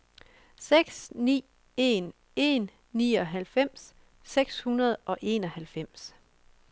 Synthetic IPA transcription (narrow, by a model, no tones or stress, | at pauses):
seɡ̥snḭː | e̝n | e̝nː | iːɒ̽ɦælfem̰s | seɡ̥shunɐð̞ˠʔɒ̽ʔe̝ːnɒ̽hælfem̰s